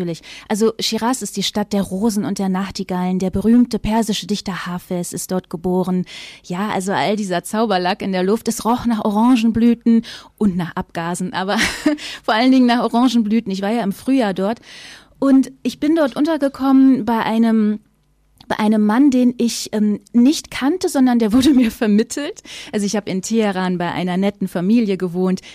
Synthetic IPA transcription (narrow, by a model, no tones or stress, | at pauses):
yːɐlɪçʔalzoʃiʁasɪst̚d̥iːʃtat̚d̥eːɐʁoːzn̩ʊnt̚d̥eːɐnaχtiɡaləndeːɐbəʁyːmtəpʰɛɐzɪʃədɪçtɐhaːfɛsɪstd̥ɔɐt̚ɡ̥əboːʁənjaːʔa̰lzoʔa̰ldiːzɐt͡saʊbɐlakɪndeːɐlʊftɛsʁɔχnaːχʔoʁɑŋʒn̩blyːtn̩ʔʊntnaːχʔap̚ɡ̥aːzn̩ʔaːbɐfoːɐʔaləndɪŋənaːχʔoʁɑ̃ŋʒn̩blyːtn̩ɪçv̥aːɐjaːɪmfʁ̥yːjaːɐdɔɐt | ʔʊntʔɪçb̥ɪndɔɐtʔʊntɐɡəkʰɔmənbaɪʔaɪnəm | b̥aɪʔaɪnəmːandeːnɪçʔɛːmnɪçtkʰantəzɔndɐndeːɐvʊɐdəmiːɐfɛɐmɪtʰl̩tʔalzoɪçhaːbəɪntʰeheʁaːnbaɪʔa̰ɪnɐnɛtn̩famiːljəɡəvoːnt